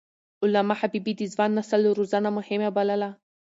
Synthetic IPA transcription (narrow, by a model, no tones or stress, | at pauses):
ʔʊlamaħabibid̪izvanːasaluɾuzanamʊhemabalala